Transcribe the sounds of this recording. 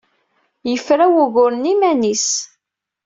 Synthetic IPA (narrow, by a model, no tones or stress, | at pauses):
jəfɾæwuɣʊɾənimænis